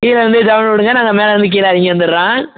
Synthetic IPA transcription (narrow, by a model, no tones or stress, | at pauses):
kiːlɐʋɐnd̪ɯd͡ʒɐʋɐnʋɪɽɯŋɡɐnaːŋɡɐmeːlɐʋɐnd̪ɯk̬iːlaːɾɪŋɡɐʋɐnd̪ɯɾɾãː